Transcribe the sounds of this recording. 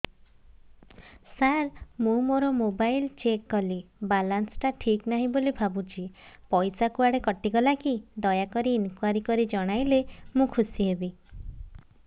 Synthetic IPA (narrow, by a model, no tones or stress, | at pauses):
saɾmũmoɾɔmobajlt͡ʃekːɔlibalansʈaʈʰiknaɦĩbolibʱabũt͡ʃʰipɔjsakuaɽekɔʈiɡɔlakid̪ɔjakɔɾiːnkwaɾikɔɾid͡ʒɔɽ̃ajlemũkʰusiɦebi